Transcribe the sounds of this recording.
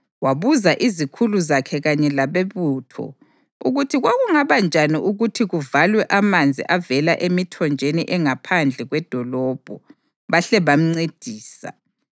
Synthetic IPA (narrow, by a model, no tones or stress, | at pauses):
waβuzaʔizikʰuluzakʰɛɣaɲɛlaβeβutʰɔ̰ | ṵɣutʰiɣwaɣuŋaβand͡ʒʱaniʔuɣutʰiɣuvalwɛʔamand͡zʱḭʔavɛlaʔemitʰɔnd͡ʒʱeniʔɛŋapʰand͡ɮʱɛɣwɛd̥ʱɔlɔːb̥ʱɔ | βaɬɛβam̩ŋ͡ǀed̥ʱiːsa̰